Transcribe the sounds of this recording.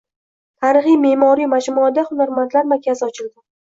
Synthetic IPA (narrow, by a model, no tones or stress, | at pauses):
t̪ʰaɾɨχijme̞mɒɾijmad͡ʒmuad̪aχʊnaɾmant̪ʰlaɾmaɾkʲʰːazɪɒt͡ʃʰɪld̪ɪ